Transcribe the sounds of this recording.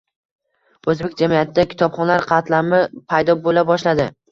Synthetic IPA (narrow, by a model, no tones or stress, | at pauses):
ɵzbek̚ʲd͡ʒamijat̪ʰɪd̪akʲʰɪ̥t̪ɒbχɒnlaɾqʰɑt̪lamɪpʰajd̪ɒbolabɒʃlad̪ɪ